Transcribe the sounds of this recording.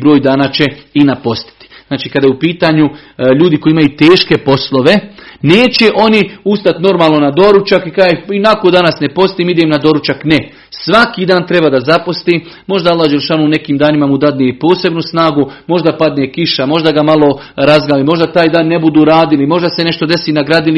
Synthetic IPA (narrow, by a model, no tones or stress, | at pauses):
bɾoːjd̪aːnat͡ɕeinapo̞st̪i̥t̪i̥znaːt͡ʃiːkad̪ajupiːt̪aɲuʎuːd̪iko̞iimajut̪e̞ːʃke̞po̞slo̞ʋe̞neːt͡ɕe̞ʔo̞niust̪at̪no̞ɾmaːlˠno̞nad̪o̞ɾut͡ʃakikaːeinakod̪anasne̞po̞st̪iːmid̪emnad̪o̞ɾut͡ʃakne | sʋakid̪aːnt̪ɾebaːd̪azapost̪iː | mo̞ʒd̪aalːaːhd͡ʒelˠʃaːnuːne̞kiːmd̪aːnimamud̪ad̪nijepo̞ːse̞bnusnaːɡumo̞ʒd̪apad̪nekiʃamo̞ʒd̪aɡamalˠo̞ | ɾazɡalimo̞ʒd̪at̪aːjd̪aːnːe̞bud̪uːɾaːd̪ilimo̞ʒd̪asene̞ʃt̪od̪e̞siːnaɡɾaːd̪ili